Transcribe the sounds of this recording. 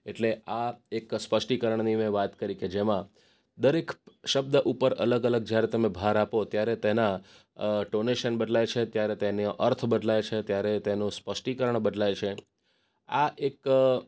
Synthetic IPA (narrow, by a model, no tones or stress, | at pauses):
eʈleʔaekspəʃʈikəɾəɳnimẽʋat̪kəɾiked͡ʒemã | d̪əɾekʃəb̚d̪əʔupəɾələɡələɡ̚d͡ʒjaɾet̪əmẽbʱaɾapot̪jaɾet̪ena | ʈoneʃənbəɖlajt͡ʃʰet̪jaɾet̪enoʔəɾt̪ʰbəɖlajt͡ʃʰet̪jaɾet̪enũspəʃʈikəɾəɳbəɖlajt͡ʃʰe | aʔek